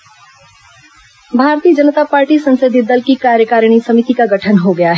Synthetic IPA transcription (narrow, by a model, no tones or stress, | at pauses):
bʱaːɾt̪iːəd͡ʒənət̪apaːɾʈisɐ̃nsəd̪ʱɪd̪əlkikaːɾjəkaːɾɽ̃isɐmit̪ikaɡɐʈʰənɦoɡɐjaɦɛ